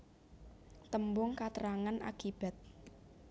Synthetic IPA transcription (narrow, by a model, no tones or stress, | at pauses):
t̪əmbʊŋkat̪əɾaŋanʔa̰kib̥a̤t̪̚